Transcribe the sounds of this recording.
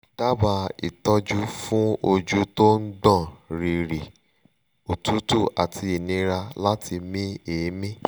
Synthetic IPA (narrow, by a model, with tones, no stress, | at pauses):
ta˦ba˧ḭ˨tɔ˦d͡ʒu˦fũ˦o˧d͡ʒu˦to˦n̩˦ɡ͡bɔ̃˦˨ɾi˨ɾi˨ | o˨tu˨˦tu˦˨ʔa˨tʰi˧i˨nĩ˧ɾa˧la˦ti˧mĩ˦e˨˦mĩ˦